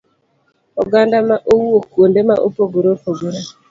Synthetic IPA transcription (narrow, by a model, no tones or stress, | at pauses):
ɔɡandamaʔowokondemaʔopoɡoɾopoɡoɾa